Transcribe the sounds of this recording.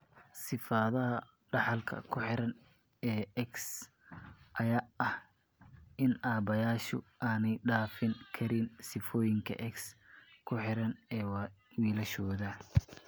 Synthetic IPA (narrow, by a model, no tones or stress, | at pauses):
sɪfaːðɐɦɐ | ɖɑħɑlkʰɐ̰kʰʊħɪɾɐn | ɛːɛks | ʔɐjaːɐh | ʔɪnaːbɐjaːʃʊʔaːnɛjɖaːfɪŋkʰɐɾɪnsɪfɔːjɪŋkʰɐ̰ʔɛkskʰʊħɪɾɐnɛːwwiːlɐʃɔːðɐ